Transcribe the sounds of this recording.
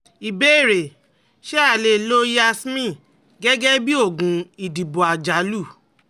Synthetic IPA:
i˨be˨˦i˦˨ɾe˨ | ʃe˦a˦˨le˨lo˦ja˦smĩ˦˨ | ɡɛ˦ɡɛ˦bi˦o˦˨ɡũ˨i˨di˨bo˨a˨d͡ʒa˨˦lu˦˨

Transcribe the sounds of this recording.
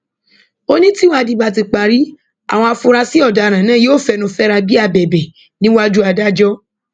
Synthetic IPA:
o˦nĩ˦tĩ˦a˧di˧ba˧t̬i˧k͡pa˨ɾi˦ | a̰˨w̃ɔ̃˧a˧fu˧ɾa˧si˦ɔ˦˨da˨˧ɾ̃ã˨nãː˦˨je˦o˦˨fɛ˧nũ˧fɛ˦ɾa˧bi˦a˧˨bɛ˨bɛ˨ | nĩ˦wa˦d͡ʒu˦a˧da˦d͡ʒɔ˦

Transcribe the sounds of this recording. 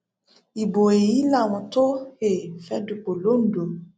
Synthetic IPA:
i˨bo˨e˨ji˨˦la˦˨w̃ɔ̃˧to˦he˦˨fɛ˦du˧k͡po˨lo˨˦n̩˨˦dũ˨

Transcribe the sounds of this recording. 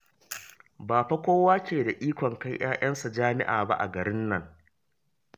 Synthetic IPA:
baː˨ɸa˦kʷoː˦waː˦kʲeː˨da˨ʔiː˦kʷɔ˨ŋka˦jj̰aː˦jɐ˦nsa˨d͡ʒaː˦mɪ̰˦ʔa̰ː˨ba̰˦ʔa̰˨ɡɐ˨ɾɪ˦nːɐ˨ŋ

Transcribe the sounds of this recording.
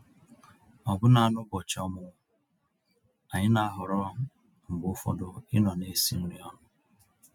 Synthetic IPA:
ɔ˨bʊ˦na˨a˨nʊ˦bɔ˨t͡ʃɔ˦mʊ˦ | a˨ɲɪ˦na˦˨a˦ɦʊ˨ɾɔ˦ | m̩˨ɡ͡bʊ˦fɔ̰˦dʊ˦ɪ˦nɔ˨ne˦sḭ˦n̩˦ɾi˦ɔ˦nʊ˦

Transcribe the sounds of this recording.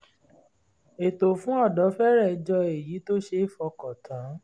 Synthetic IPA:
e˨to˨fũ˨˦ɔ˦˨dɔ˨˦fɛ˦ɾɛ˦˨˧d͡ʒɔ˧e˨ji˨˦to˦ʃe˧˦˨fɔ˧kɔ˨tʰã˨˦

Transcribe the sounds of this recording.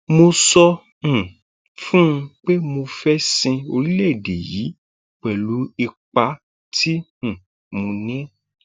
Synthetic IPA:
mo˧sɔ̃˧˨ | fũ˦˧k͡pe˦mo˧fɛ˦sĩ˧o˧ɾi˦lɛ˦˨de˨ji˨˦ | k͡pɛ˨lu˨˦i˧k͡pa˧˦ | tʰĩ˦˨ | mõ˧nĩ˦

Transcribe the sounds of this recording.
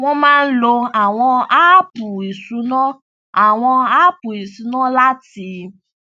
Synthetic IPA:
w̃ɔ̃˦mãː˦n̩˦lo˧a˨w̃ɔ̃˧a˦pu˨e˨su˨˦nɔ̃˦ | a˨w̃ɔ̃˧a˦pu˨e˨su˨˦nɔ̃˦la˦ti˧˦

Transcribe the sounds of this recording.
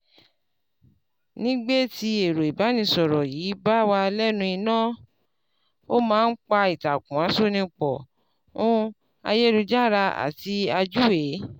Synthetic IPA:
nĩ˦ɡ͡be˦ti˧e˨ɾo˨i˨ba˨˦nĩ˧sɔ˨ɾɔ˨ji˨˦ba˦wa˧lɛ˦nũ˧i˧nãː˦˨ | o˦mãː˦n̩˦k͡pa˧i˨ta˨kũ˨a˨˦so˦nĩ˧k͡pɔ˨ | ũ˦ | a̰˧je˦ɾu˧d͡ʒa˦˨ɾa˧a̰˨ti˧a˧d͡ʒu˦e˨˦

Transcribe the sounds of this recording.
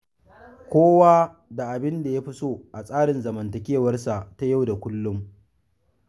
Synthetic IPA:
kʷoː˦waː˦ | da˨ʔa˨bɪ˦nda˨ja˦ɸɪ˦soː˦ʔa˨sʼaː˦ɽɪ˨nzɐ˨mɐ˨ntɐ˨kʲeː˦wɐ˦rsa˨ʔta˦ja˦˨wda˨kʷʊ˦lːʊ˦m

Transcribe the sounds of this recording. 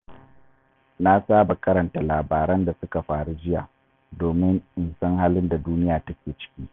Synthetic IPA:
na˦saː˦ba˨kɐ˦ɾɐ˨nta˨laː˨baː˨ɾɐ˦nda˨sʊ˦ka˨ɸaː˨ɽu˦d͡ʒɪ˦ja̰ː˨ | doː˨mɪ˦ŋʔɪ˨nsɐ˦ŋhaː˦lɪ˦nda˨duː˦nɪ˦jaː˨tɐ˦kʲeː˨t͡ʃɪ̥˦kʲiː˦

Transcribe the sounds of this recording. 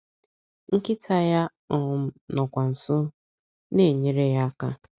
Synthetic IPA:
ŋ̩˦kɪ˦ta˦ja˦ | ɔ˨m̩˦nɔ˨kʷa˨n̩˨sʊ˦ | ne˦˨ɲe˨ɾe˦ja˦ka˦

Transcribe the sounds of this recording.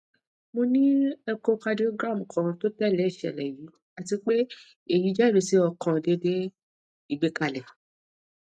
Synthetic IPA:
mõ˧nĩ˦ɛ˧ko˧ka˧di˦o˧ɡɾa˦˨m̩˨kʰã˨˧to˦tɛ˦˨lɛ˨˦i˦˨ʃɛ̰˨lɛ˨ji˨˦ | a˧ti˧k͡pe˦ | e˨ji˨˦d͡ʒa˦˨e˧si˦ɔ˧kʰã˧de˧˦de˦ | i˨ɡ͡be˦ka˧lɛ˨

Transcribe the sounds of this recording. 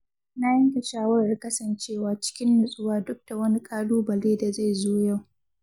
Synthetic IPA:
na˦jɐ˦ŋka˨ʃaː˦wɐ˦ɾa˨kɐ˦sɐ˨nt͡ʃeː˦˨waː˦t͡ʃɪ̥˦kʲɪ˦nːʊ˨sʼʊ˦waː˦dʊ˦k̚d̥a˨wɐ˦ni˦kʼaː˦luː˦bɐ˨leː˦da˨za˦˨jzoː˦ja˦˨w

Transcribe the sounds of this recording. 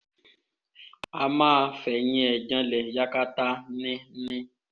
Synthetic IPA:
a˨mãː˦˨fɛ˨ɲĩ˦ɛ˨d͡ʒã˦lɛ˨ja˦ka˦ta˦nɪ̃˦nɪ̃˦

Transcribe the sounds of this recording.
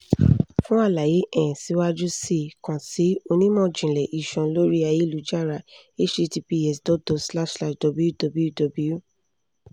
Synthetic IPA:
fũ˦a˦˨la˨je˨˦ʔɛ̃˦˨si˨˦wa˦d͡ʒu˦si˦˨kã˨ti˨˦o˧nĩ˦mɔ̃˦˨d͡ʒĩ˨lɛ˨ʔi˨ʃɔ̃˨lo˦ɾi˦a˧˨ji˦lu˨˦d͡ʒa˦˨ɾa˧ | e˦t͡ʃi˧ti˧pi˦˧ɛ˨sdɔ˨˦tɔ˨sla˦˨ʃsla˦ʃdɔ˨bu˧˦ju˦dɔ˨˧bu˧˦ju˦dɔ˧bu˨˦ju˦

